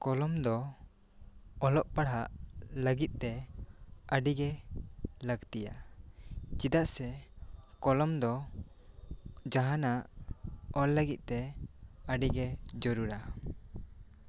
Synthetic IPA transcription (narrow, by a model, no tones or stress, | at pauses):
kɔlɔmd̪ɔ | ɔlɔʔpaɽɦaʔləɡit̪̚t̪ɛ | əɖiɡɛ | ləɡt̪ija | t͡ʃid̪aʔsɛkɔlɔmd̪ɔ | d͡ʒaɦanaʔɔlləɡit̪̚ˀt̪ɛəɖiɡɛd͡ʒɔɾuɾa